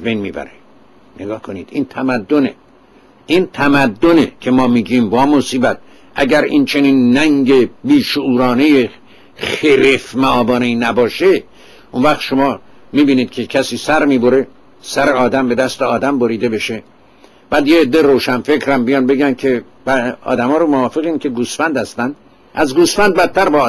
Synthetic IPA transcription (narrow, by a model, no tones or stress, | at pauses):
æzbe̞jnmḭːbæ̰ɾe̥ | neɡɒːhkʰo̞niːd̪int̪ʰæmæd̪ːonḛ | ʔint̪ʰæmæd̪ːonekʲʰe̞mɒːmiːɟiːmbɒːmosiːbæt̪̚ | ʔæ̰ɟæɾḭnt͡ʃʰe̞niːnːæŋɡe̞biːʃouːɾɒːne̞je | χeɾefmæɒːbɒːneinæbɒːʃe | ʔunvæχt̪ʃomɒː | miːbiːniːd̪̥̚kʰe̞cʰæsiːsæɾmiːboɾe̞ | sæɾeɒːd̪æmbe̞d̪æst̪eɒːd̪æmboɾiːd̪e̞be̞ʃe | b̥æːd̪jeːd̪ːeɾoːʃænfe̞kʰɾæmbijɒːnbe̞ɡæn̚kʰe̞ | bæɒ̰ːd̪æmɒːɾomovɒːfe̞ɣiːnkʲʰe̞ɡusfænd̪hæst̪ænd̪̥ | ʔæzɡusfænd̪̚bæt̪ʰtːæɾbɒː